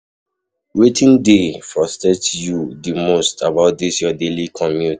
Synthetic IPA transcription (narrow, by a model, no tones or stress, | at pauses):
wetʰĩndefɔstɛtjudimostʰabaʊt̚disjɔdelikʰɔ̃mjut